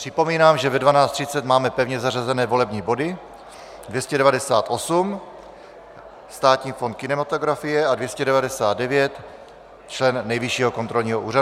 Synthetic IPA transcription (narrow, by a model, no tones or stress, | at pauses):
pr̥ɪpo̞miːnaːmʒɛvɛdvanaːt͡st̪r̝ɪt͡sɛt̪maːmɛpɛvɲɛzarazɛnɛːvo̞lɛbɲiːbo̞dɪ | dvjɛscɛdɛvadɛsaːt̪ʔo̞sum | st̪aːt̪ɲiːfo̞nt̪̚kɪnɛmat̪oɡɾafijɛadvjɛscɛdɛvadɛsaːd̪̚dɛvjɛt̪ | t͡ʃlɛnːɛjviʃiːɦokont̪ɾo̞lɲiːɦoʔuːɾau